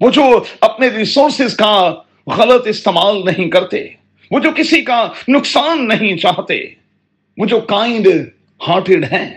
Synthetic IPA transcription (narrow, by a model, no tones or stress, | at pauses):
ʋoːd͡ʒoːɐpneɾiːsoːɾsɪzka | ɣɐlət̪ɪst̪eːmaːlnɐɦĩkɐɾt̪ḛː | ʋoːd͡ʒoːkɪsikanʊksaːnːɐɦĩt͡ʃaːɦt̪ḛː | ʋoːd͡ʒoːkãːɪ̃ɳɖ | haːʈɪɖɦɛ̃ː